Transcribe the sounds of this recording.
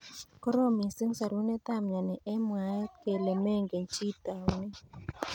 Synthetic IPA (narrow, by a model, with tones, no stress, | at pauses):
kɔ˦ɾo˦˨mi˨si˦ŋ˦sa˨ɾu˦nɛ˦t̪a˦˨mɲa˨nɛ˨ʔɛ˦mwa˨jke˨le˨mɛ˦˨ŋɡe˨nt͡ʃi˦t̪a˨wnɛ˦